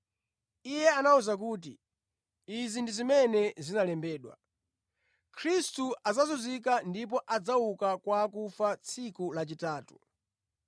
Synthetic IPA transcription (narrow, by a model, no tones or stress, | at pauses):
ijɛanauzak̬uːt̬i | izindizimɛnɛzinalɛmbɛːɗwa̰ | kʰɾistuʔazazuzikandip̬ɔʔad͡zaukakwakufat͡sʰikulat͡ʃitaːtu̥